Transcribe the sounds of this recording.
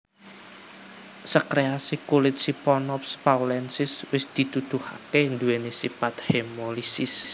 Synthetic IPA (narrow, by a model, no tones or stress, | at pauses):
səkɾeasikulɪt̪̚sipɔnɔp̚spawlɛnsɪswɪsd̪̥i̤t̪ud̪̥uha̰kend̪uenesipat̪̚hemolisɪs